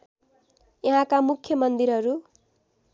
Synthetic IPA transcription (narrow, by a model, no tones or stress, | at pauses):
jʌɦãkamukʰjʌmʌnd̪iɾɦʌɾu